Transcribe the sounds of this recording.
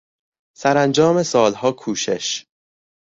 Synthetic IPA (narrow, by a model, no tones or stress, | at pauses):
sæɾænd͡ʒɒːme̞sɒːlhɒːkʰuːʃḛʃ